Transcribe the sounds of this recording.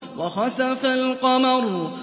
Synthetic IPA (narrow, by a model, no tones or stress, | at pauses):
waxɑsafalqɑmɑɾ